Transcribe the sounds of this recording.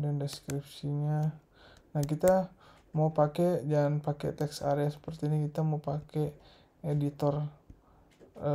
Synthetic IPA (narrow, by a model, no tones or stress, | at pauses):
dandɛskɾip̚siɲa | nahkit̪a | maupakɛd͡ʒanpakḛt̪ɛksa̰ɾeasə̥pərt̪iːnikit̪amaupakɛ | edit̪ɔr | ə